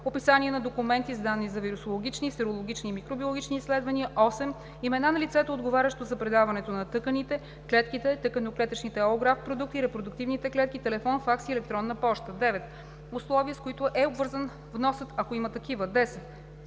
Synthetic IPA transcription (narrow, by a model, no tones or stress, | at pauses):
opisaniɛnɐd̪okumɛnt̪izd̪anːizɐviɾusolˠoɡ̟ʲit͡ʃnisɛɾolˠoɡ̟it͡ʃnimikɾobiolˠɡʲit͡ʃniːslɛd̪vɐniəʔɔsɛm | imɛnanɐlit̪sɛt̪ooːd̪ɡovaɾʲəʃt̪ozɐpɾɛd̪avɐnɛt̪onɐt̪ɤkənit̪ɛ | klɛt̪kit̪ɛt̪ɤkənoklɛt̪ət͡ʃnit̪ɛooɡɾafpɾod̪uk̚t̪iɾɛpɾod̪ʊk̚t̪ivnit̪ɛklɛt̪̚kit̪ɛlɛfɔnfaksiɛlɛk̚t̪ɾɔnːəpɔʃt̪əd̪ɛvɛt̪ | ʊslˠɔviəskoit̪ʊʔɛobvɤɾzən | vnɔsət̪ɐkoimɐt̪ɐk̟ivəd̪ɛsɛt̪̚